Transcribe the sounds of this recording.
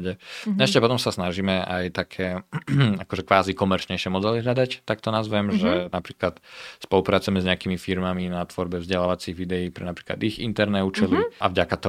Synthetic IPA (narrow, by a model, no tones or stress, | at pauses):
ɟɛɛʃcɛpɔt̪ɔmsasnaʒiːmɛajt̪akʰɛːakɔʒɛkʋaːzikɔmɛɾt͡ʃɲɛjʃɛmɔd̪ɛliɦʎad̪act̪ak̚t̪ɔnazʋɛmʒɛnapɾiːklat̪spɔlupɾaːt͡sujɛmɛzɲɛakimifiɾmaminat̪ʋɔɾbɛvzɟɛlaːʋat͡siɣʋid̪ɛjiːpɾɛ̰napɾiːkla̰d̪iɣḭnt̪ɛɾnɛuːt͡ʃɛliʔa̰vɟakat̪ɔ